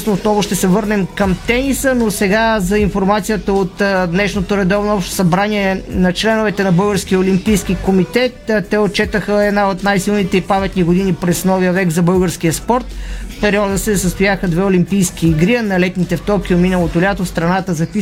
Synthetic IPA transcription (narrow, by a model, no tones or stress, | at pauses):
snoːt̪nɔvʊʃt̪ɛsɛvɤɾnɛmkɐmt̪ɛnisənosɛɡazɐinfoɾmat̪sijət̪əot̪d̪nɛʃnot̪oɾɛd̪ɔvnoɔpʃt̪o̥sɐbɾaniɛnɐt͡ʃlɛnʊvɛt̪ɛnɐbɤlˠɡəɾsk̟iəolimpijskikomit̪ɛt̪t̪ːɛot̪̚t͡ʃɛt̪əxəɛd̪naot̪najsilˠnit̪ɛipamɛt̪niɡod̪inipɾɛsnɔviəvɛkzɐbɤlˠɡəɾsk̟ijəspɔɾt̪fpɛɾiɔd̪əsɛsəst̪ʊjaxəd̪vɛolʲimpijskiːɡɾiənɐlɛt̪nit̪ɛft̪ɔkʲiominəlˠot̪olʲat̪ost̪ɾɐnat̪əzɐpi